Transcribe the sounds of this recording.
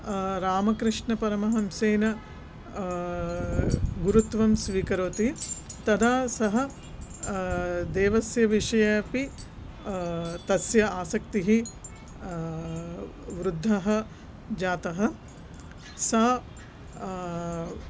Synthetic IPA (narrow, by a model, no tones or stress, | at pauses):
ɾaːmɐkɾɪʂɳɐpɐɾɐmɐɦɐmseːnɐ | ɡuɾut̪ʋɐmsʋiːkɐɾoːt̪it̪ɐd̪ʱaːsɐɦɐ̆ | d̪eːʋɐsjɐʋiʂɐjaːpi | t̪ɐsjɐaːsɐk̚t̪iɦi | ʋɾud̪ʱːɐɦɐ̆ | d͡ʒaːt̪ɐɦɐ̆ | sɐ